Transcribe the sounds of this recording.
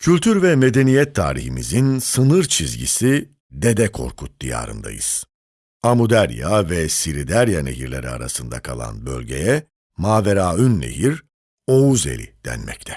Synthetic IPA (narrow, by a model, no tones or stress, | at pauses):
cʰylʲt̪ʰyɾvɛmed̪e̞nijɛt̪ʰːaːɾiçimizinsɯnɯɾt͡ʃʰizɟḭsi | d̪e̞d̪ɛkʰo̞̰ɾkʰut̪̚d̪̥ija̰ːɾɯ̰nd̪a̰jɯz̥ | amud̪æɾjavɛsiɾid̪æɾjaneɦiɾlʲe̞̰ɾia̰ɾasɯnd̪a̰kʰalˠa̰nbø̞lʲɟe̞̰jɛ | maːveɾaːynːḛhiɾ | o̞uze̞̰lʲḭd̪̥æ̰nmɛct̪ʰɛ̥